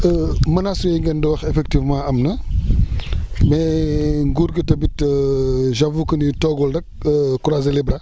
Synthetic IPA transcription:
əmɐnasɔjɛŋɡɛndɔwɐxɛfɛk̚tivmãːɐmnɐ | mɛŋɡuɾɡətɐbitəʒɐvukənditɔɡɔldɐk̚əkuɾazelibɾɐ

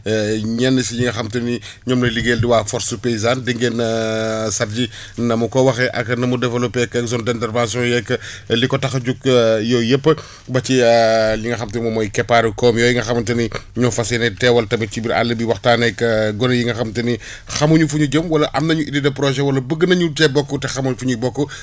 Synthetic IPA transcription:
ɲɛnːɐsijiŋɡɐxɐmtɐni | ɲɔmlɐliɡeːldiwaːfɔɾsupeizandəŋɡenɐsɐɾd͡ʒi | nɐmukɔwɐxɛʔɐ̰knɐmudɛvɐlɔpɛkːɛkzɔ̃ndɛntɛrvãsjɔ̃jɛkːɐlikɔtɐxɐɟukjɔjəpːə | bɐt͡ʃiliŋɡɐxɐmtɐnmɔmɔjkɛpːaɾukɔːmjɔjiŋɡɐxɐmɐtɐniɲɔfɐsɛnɛtɛwɐlɐtɐmɐt͡ʃibiɾa̰lːɐbiwɐxtaːnɛkːəɡɔnɐjiŋɡɐxɐmtɐni | xɐmuɲufuɲuɟəmwɐlɐʔɐmnɐɲuʔididɐpɾɔʒɛwɐlɐbəɡːənɐɲutɛbɔkːɔtɛxɐmɐɲufuɲubɔkːɔ

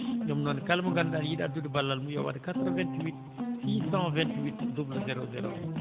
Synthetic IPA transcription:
ɲɔmnɔnkalmuɡandaljiɗadudibalːalmujɔwa̰dkat̪ɾvɛ̃ntwit̪ | siːsɑ̃vɛ̃nt̪wit̪dublzɛɾozɛɾo̰

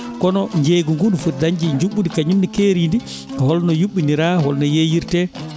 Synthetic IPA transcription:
kɔnɔɲd͡ʒeɡuŋɡunfuɾdaɲd͡ʒiɲd͡ʒuɓːundikaɲumnikeːɾindi | hɔlnɔjuɓːiniɾahɔlnɔjejiɾtɛ

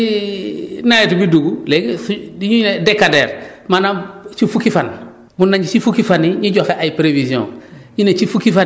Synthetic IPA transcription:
i | najetubiduɡuleɡesdiɲunedekadeːɾmanat͡ʃifukifan | munːaɲd͡ʒisifukifaniɲiɟoxeʔajipɾevisiõ̰ | jinet͡ʃifukifa

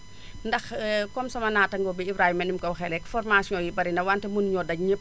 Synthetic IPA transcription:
ndɐxkɔmsɐmɐnaːtːɐŋɡɔbiibɾahimɐnimkɔwxɛlɛkfɔrmasjɔ̃jibɐɾindɐwantɛmunɲɔːdɐɲəp̚

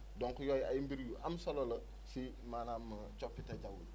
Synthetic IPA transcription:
dɔŋkujɔːja̰jimbiɾjuʔamsɔlɔlɐ | si | maːnamːɐ | t͡ʃɔpːitɛɟawṵd

